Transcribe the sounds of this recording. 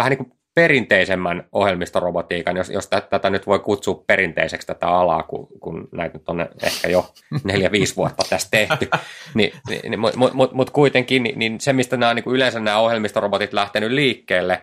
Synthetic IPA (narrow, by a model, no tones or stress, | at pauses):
ʋæhæniːŋku | perint̪eisemːænohjelmist̪orobot̪iːkɑnjosjo̰st̪æt̪æt̪ænyt̪ʋoikut̪suːppeɾint̪ḛisekst̪æt̪æ̰ɑlɑ̰ːkṵkunnæit̪nyt̪ːonḛḛhkæjo | neljæʋiːsʋuɑt̪ːɑt̪æst̪t̪eh̪ynḭnḭnimumumut̪mut̪kuit̪eŋkiːnininsemist̪ænæːoniːkuylensænnæːohjelmist̪orobot̪it̪læht̪enylliːkːeːlːe